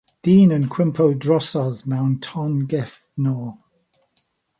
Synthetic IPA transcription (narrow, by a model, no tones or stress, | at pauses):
d̥iːnənkʰw̥ɪmpʰowdɹɔsɔðmawntʰɔnɡɛf | nɔː